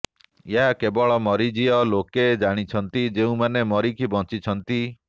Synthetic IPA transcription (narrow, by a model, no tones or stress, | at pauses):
jeɦakebɔɭɔmɔɾid͡ʒiɔloked͡ʒaɽ̃it͡ʃʰɔnt̪id͡ʒeũmanemɔɾikʰibɔt͡ʃit͡ʃʰɔnt̪i